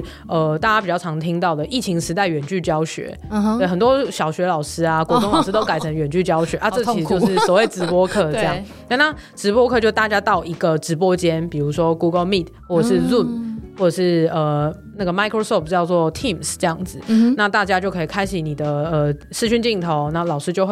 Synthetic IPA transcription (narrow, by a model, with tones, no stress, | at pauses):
ə˩t̪a˥˩t͡ɕa˥pi˩t͡ɕjɑ˥˩ʈ͡ʂʰɑ˧˥ŋt̪ʰi˥ŋt̪ɑ˥˩ʊd̪ə˩ʔi˥˩t͡ɕʰi˧˥ŋʂɻ̩˧˥t̪a˥˩ɪɥɛ˨˩nt͡ɕy˥˩t͡ɕjɑ˥ʊɕɥɛ̰˧˥˦we˥˩ɪxə˨˩nt̪wɔ˥ɕjɑ˨˩ʊɕɥɛ˧˥lɑ˨˩ʊʂɻ̩˥a˧kwɔ˧˥˧o˥˧ŋɑ˨˩ʂɻ̩˥t̪o˥ʊka˨˩ɪə˧˥ŋɥɛ˨˩nt͡ɕy˥˩t͡ɕjɑ˥ʊɕɥɛ˧˦ʔa˥˧t͡sɤ˥˧˥i˨˩t͡ɕo˥˧ʊʂɻ̩˥˩sɔ˨˩we˥˩ɪʈ͡ʂɻ̩˧˥pwɔ˥kʰɤ˥˧ɤ˥˧jɑ˨˩ | a˥˧na˥˩ʈ͡ʂɻ̩˧˥pwɔ˥kʰɤ˥˧t͡ɕjo˥˧ʊt̪a˥˩t͡ɕja˥t̪ɑ˥˩ʊi˧˥ɡə˨ʈ͡ʂɻ̩˧˥p̬wɔ˦˥t͡ɕjɛ˥npi˨˩ɻu˧˥ʂwɔ˥ku˥ɡə˧lmi˥˨t̪̚ʰwɔ˥˩ə˨˩ʂɻ̩˥˧lu˥˩nwɔ˥˩ʈ͡ʂə˨˩ʂɻ̩˥˩ə˩ | na˥˩ɡə˩ma˧˥ɪkʰɹo˥sɔ˥˩pt͡ɕjɑ˥˧ʊt͡swɔ˥˨t̪ʰi˥˩msʈ͡ʂɤ˥˧jɑ˥˩ŋd͡z̩˨˩na˥˧t̪a˥˩t͡ɕja˥t͡ɕjo˥˩ʊkʰɤ˧˥i˨˩kʰa˥ɪɕi˨˥ni˨˩d̪ə˦ə˩ | ʂɻ̩˥˧˩ɕy˥˧nt͡ɕi˥˩ŋt̪ʰo˧˦ʊna˥˩lɑ˨˩ʊʂɻ̩˥t͡ɕjo˥˧˥